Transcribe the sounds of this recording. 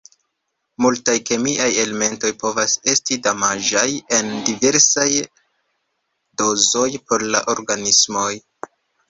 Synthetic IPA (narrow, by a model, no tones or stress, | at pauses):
multajke̞miʔaje̞leme̞nto̞jpo̞vase̞stidamaʒaje̞ndive̞ɾsaj | do̞zo̞jpo̞ɾla̰ʔo̞ɾɡanismo̞j